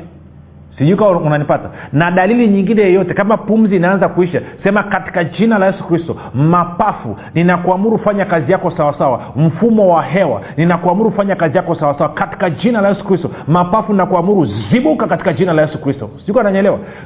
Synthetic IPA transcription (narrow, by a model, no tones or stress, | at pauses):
siʄuikawunanipatanaɗaliliɲiŋɡinɛjɔjɔtɛkamapum̩ziːnaanzakuiʃasɛmakati̥kad͡ʒinalajɛsu̥kɾistɔ | mapafṵ | ninakuamuɾukfaɲakazijakɔsawasawam̩fumɔwaɦɛwa̰ninakuamuɾuufaɲakazijakɔsawasawakati̥kad͡ʒinalajɛsu̥kɾistɔmapafuninakuamuɾuziɓukakati̥kad͡ʒinalajɛsukɾistɔ̰si̥ʄuikanaɲɛlɛwa̰